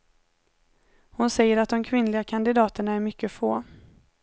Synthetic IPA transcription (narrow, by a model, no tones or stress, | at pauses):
hʊnsɛjːəɾat̪̚d̪ɔmkʰvɪnlɪɡakʰand̪ɪd̪ɑːt̪əɳaæɾmʏkːəfoː